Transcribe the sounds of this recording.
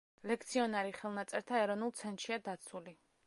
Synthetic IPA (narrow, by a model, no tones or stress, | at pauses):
lɛk̚ʰt̪sʰiɔnaɾiχɛlˠnat̪sʼɛɾt̪ʰaɛɾɔnulˠt̪sʰɛnt̪ʃiad̪at̪sʰuli